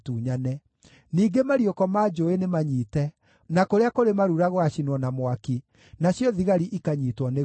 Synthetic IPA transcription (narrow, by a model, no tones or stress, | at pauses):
tuːɲanɛ | niːɡemaɾiɔkɔmaːd͡ʒoenemaɲiːtɛ | nakoɾeakoɾemaɾuɾaɣwaɕinwɔnamwaki | naɕjɔðiɣaɾiʔikaɲitwɔne